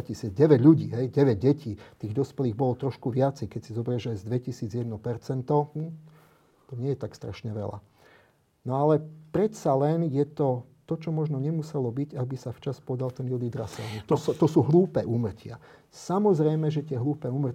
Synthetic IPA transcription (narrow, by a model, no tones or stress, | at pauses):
cisɪid͡zɟɛʋɛɟʎuɟiːɦɛjɟɛʋɛɟ̚ɟɛciːt̪iːɣd̪ɔspɛliːɣbɔlɔt̪ɾɔʃkuʋɪat͡sɛjkɛcsizɔbɾɛʒajzd̪ʋɛcisiːd͡zjɛd̪nɔpɛɾt͡sɛnt̪ɔ | t̪ɔɲɪɛjɛt̪akst̪ɾa̰ʃɲɛʋɛ̰la̰ | nɔalɛpɾɛt̪salɛnjɛt̪ɔt̪ɔt͡ʃɔmɔʒnɔɲɛmusɛlɔbiɟabisaft͡ʃaspɔd̪alt̪ɛnjud̪id̪ɾa̰sɛ̰lnit̪ɔsɔt̪ɔsuːɦluːpɛːʔuːmr̩cɪa̰ | samɔzɾɛjmɛʒɛt̪ɪɛɦluːpɛːuːmr̩